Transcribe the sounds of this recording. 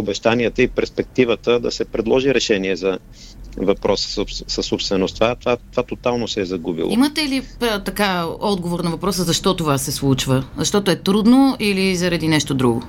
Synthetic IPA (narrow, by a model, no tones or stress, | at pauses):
obɛʃt̪aniɛt̪əipɛɾspɛk̚t̪ivət̪əd̪ɐsɛpɾɛd̪lˠɔʒiɾɛʃɛniɛzɐ | vɐpɾɔsə̥sopssɐsːopst̪vɛnost̪vat̪vat̪ovat̪ot̪alˠnosɛːzɐɡubḭlˠimɐt̪ɛlit̪ɐkaɔd̪ɡovoɾnɐvɐpɾɔsəzɐʃt̪ɔt̪ovasɛslˠut͡ʃvəzɐʃt̪ɔt̪oɛt̪ɾud̪noilizɐɾɐd̪inɛʃt̪od̪ɾuɡo